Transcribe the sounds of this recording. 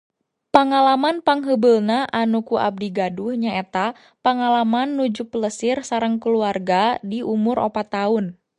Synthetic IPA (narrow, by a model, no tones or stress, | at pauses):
pəŋalamanpaŋɦəbəlnaʔanukuʔa̰b̚diɡaduhɲaɛt̪a | paŋalamanːud͡ʒupələsɪrsaɾəŋkəluarɡadiʔumʊɾo̰pat̪ːaʊn